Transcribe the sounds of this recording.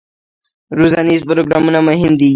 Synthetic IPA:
ɾozɑnizpʊɾoɡɾɑmunamʊɦɪmd̪i

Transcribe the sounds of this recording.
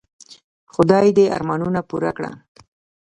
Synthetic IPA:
xʊd̪ɑjd̪ea̰ɾmɑnunapuɾakɽa̰

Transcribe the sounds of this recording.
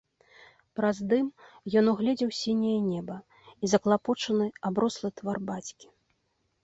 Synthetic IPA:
pɾazd̪ɨm | jɔnuɣlʲɛd͡zʲɛwsʲinʲɛjɐnʲɛbɐ | izɐklˠapɔt͡ʂɐnɨabɾɔslˠɨt̪varbat͡sʲkʲi̥

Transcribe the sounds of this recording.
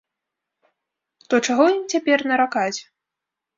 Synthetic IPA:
t̪ɔt͡ʂaɣɔjimt͡sʲapʲɛrnɐɾakat͡sʲ

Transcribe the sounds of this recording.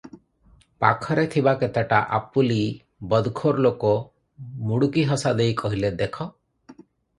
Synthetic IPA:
pa̰kʰɔɾet̪ʰibaket̪aʈaʔapuli | bɔd̪kʰoɾlokɔ | muɽukiɦɔsad̪ejkɔɦiled̪ekʰɔ

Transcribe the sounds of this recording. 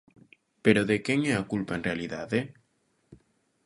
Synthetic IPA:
peɾoðekeŋeakulpaenrealiðaðe

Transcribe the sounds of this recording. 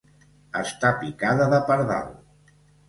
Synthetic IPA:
əst̪apikaðəðəpəɾða̰l

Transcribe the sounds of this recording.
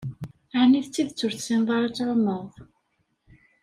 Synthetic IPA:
aʕniðt͡sːiðət͡sːʊɾθsinðˤɑɾˤæt͡sːʕomːəðˤ

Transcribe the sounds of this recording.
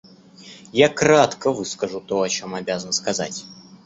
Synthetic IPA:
jakɾat̪kəvɨskəʐʊt̪o̞ɐt͡ɕo̞mɐbʲazənəskɐza̰tʲ

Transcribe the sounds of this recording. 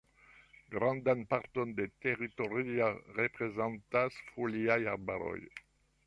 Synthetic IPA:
ɡʁɑ̃nd̪anpaʁt̪ond̪et̪eʁit̪oʁiaʁepʁezɑ̃nt̪asfoliajaʁbaɾo̰j

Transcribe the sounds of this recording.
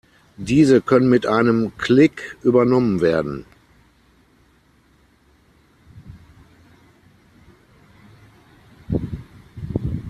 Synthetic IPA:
diːzəkʰœnənmɪtʔaɪnəmkʰlɪkʔyːbɐnɔmənveːɐdn̩

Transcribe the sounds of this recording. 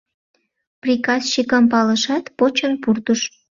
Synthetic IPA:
prʲikɑsʃikəmpɑləʃɑt̪pot͡ɕənpurt̪uʃ

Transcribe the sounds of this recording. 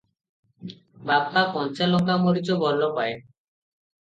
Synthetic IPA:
babtapɔnt͡ʃalɔkamoɾit͡ʃobɔlːopae

